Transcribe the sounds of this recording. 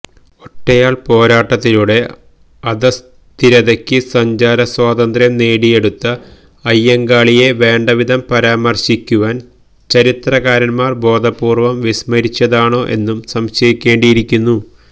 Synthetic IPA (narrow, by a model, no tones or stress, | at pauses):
oʈːejaːɭpo̞ːɾaːʈːɐt̪ːiluɽe̞ | ɐðɐs | t̪iɾɐðɐkʲːɨsɐɲd͡ʑaːɾɐswaːd̪ɐnd̪ɾjɐmne̞ːɽije̞ɽut̪ːɐ | ɐjːɐŋɡaːɭije̞ʋe̞ːɳɖɐʋid̪ʱɐmpɐɾaːmɐrɕikʲːuʋaːn | t͡ɕɐɾit̪rɐkaːɾɐnmaːrbo̞ːd̪ʱɐpːuːrʋɐmʋismɐɾit͡ɕːɐðaːɳo̞ːʔe̞̰nːumsɐmɕɐjikʲːe̞ːɳɖijiɾikʲːunːu